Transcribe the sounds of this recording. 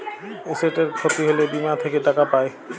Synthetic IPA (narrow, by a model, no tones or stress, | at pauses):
eseʈeɾkʰot̪iɦelebimat̪ʰekeʈakapae